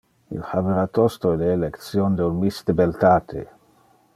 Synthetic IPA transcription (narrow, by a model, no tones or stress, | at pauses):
ḭlhaveɾat̪ost̪oeleːlekt̪sjond̪eunmist̪ebelt̪aːt̪ʰḛ